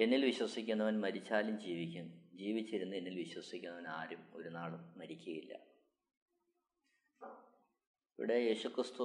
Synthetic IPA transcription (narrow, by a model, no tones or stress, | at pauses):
e̞nːilʋiɕwɐsikʲːunːɐʋɐnmɐɾit͡ɕːaːlumd͡ʑiːʋikʲːund͡ʑiːʋit͡ɕːiɾunːue̞nːilʋiɕwɐsikʲːunːɐʋɐnaːɾumo̞̰ɾunaːɭumːɐɾikʲːuɣɐjilːɐ̰ | iʋḭɽe̞je̞ːɕukrɨst̪u